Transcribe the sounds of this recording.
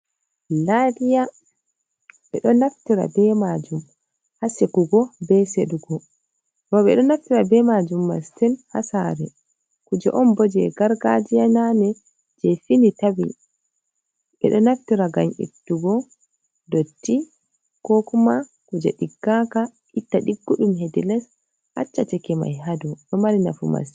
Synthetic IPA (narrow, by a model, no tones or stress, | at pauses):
ladija | ɛ̰ɗɔnaftiɾa̰bɛmad͡ʒum | hasekuɡɔbɛseɗuɡɔ | baɓɛɗɔnaftiɾabɛmad͡ʒumːa̰stɛlhasaːɾɛ̰ | kud͡ʒɛ̰ʔɔmbɔd͡ʒɛɡaɾɡad͡ʒijananɛ | d͡ʒɛfinitabḭ | ɓɛ̰ɗɔnaftiɾaɡaɲḭtːuɡɔ | dotːi | kokuma | kud͡ʒɛɗiɡːakaʔitːaɗiɡːuɗumɦedilɛs | ha̰t͡ʃːat͡ʃɛkɛma̰jɦaduɗɔmaɾina̰fuma̰s